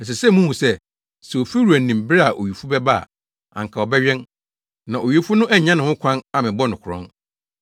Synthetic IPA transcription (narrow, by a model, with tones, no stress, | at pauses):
ɛ˨s̬ɛ˨sɛ˦mũ˦w̃sɛ˦ | sɛ˨o˨fi˦ɾu˨æ˨n̩˨nĩ˨m˨bɪ˦ɾa˨ʔo˨ɥi˨fu˦bɛ˦ba˦a̰˨ | ã̰˨ŋ˨kʰa˨ɔ˨bɛ˦ɥɛ̃˦n | nã˨ʔo˨ɥi˦fu˦nʊ̃˦ʔæ˦ɲã˦nɪ̃˨ʊ̃˦kʷʰã˦na˨mɪ̃˨bɔ˦nʊ̃˨kʊ˨ɾɔ̰̃˦n